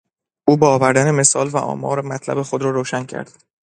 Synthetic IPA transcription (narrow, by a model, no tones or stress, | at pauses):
ʔuːbɒːɒːvæɾd̪æneme̞sɒːlvæ̰ʔɒ̰ːmɒːɾmæt̪ʰlæ̰be̞xo̞d̪ɾɒːɾoːʃæncʰæ̰ɾd̪̥